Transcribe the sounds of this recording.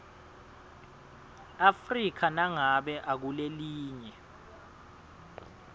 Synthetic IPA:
afrik̬ʰanaŋaɓɛʔak̬uleliːɲɛ

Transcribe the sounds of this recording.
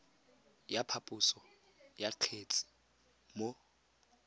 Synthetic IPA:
japʰapʼʊsɔ | jaq͡χʰet͡sʼi̥ | mo

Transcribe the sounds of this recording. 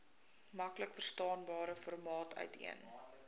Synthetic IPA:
mɐkləkfərstɑːnbɑːɾəfɔrmɑːtœ̰ɥtʰḭən

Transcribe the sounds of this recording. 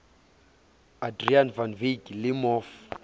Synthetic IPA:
adrianvanviɡilimɔf

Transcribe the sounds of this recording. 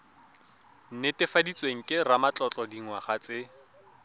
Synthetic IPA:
n̩netɪfadit͡sʼweŋ̩kʼɪramat͡ɬʼɔt͡ɬʼɔdiŋ̩waχat͡sɪ

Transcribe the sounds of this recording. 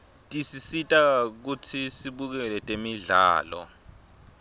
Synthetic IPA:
tʼisisitʼak̬utʰisiɓuk̬ɛlɛtʼemiɮa̰ːlɔ̰

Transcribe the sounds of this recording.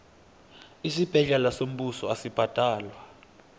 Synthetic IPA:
isib̥ʱɛɮɛlasom̩ɓusɔasib̥ʱad̥ʱaːlwa

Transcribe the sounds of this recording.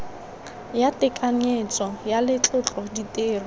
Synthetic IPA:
jatʼɪkʼaɲet͡sʼɔjalɪt͡ɬʼʊt͡ɬʼɔditʼeːr

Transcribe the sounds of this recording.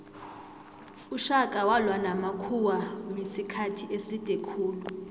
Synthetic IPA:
uʃakʼawalwanamakʰuwamisikʰatʰiʔesitʼɛkʰuːlu

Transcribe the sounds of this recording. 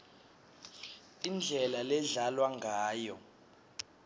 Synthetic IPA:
ind͡ɮʱɛlalɛɮalwaŋɡʱaːjɔ

